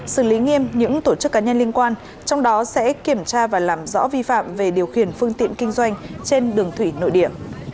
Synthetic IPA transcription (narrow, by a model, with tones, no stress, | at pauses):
sɨ˧˩li˨˦ŋi˧əmɲɨ̰˧˥ŋt̪o˧˩t͡ɕɨ˦˥kːaː˨˦ɲə˧nli˧ənkwaː˧n | t͡ɕɔ˧wŋ͡mɗɔ˨˦sɛ̰˧˥ki˧˩əmt͡ɕaː˧vaː˨˩laː˨˩mzɔ̰˧˥vi˧fa̰ː˧˨mve˨˩ɗi˨˩əwxḭ˧˩ənfɨ˧əŋt̪ḭ˧˨ənkï˧ŋ̟zwa˧jŋ̟t͡ɕe˧nɗɨ˨˩əŋt̪ʰwi˧˩no̰˧˨jɗḭ˧˩˨əm